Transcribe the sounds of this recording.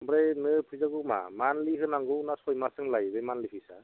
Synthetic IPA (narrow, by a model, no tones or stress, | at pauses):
mbɾenɯpʰɯjzaɡɯma̰manliɦɯnaŋɡɯnasɔjmasɯŋlajbemanlipʰisa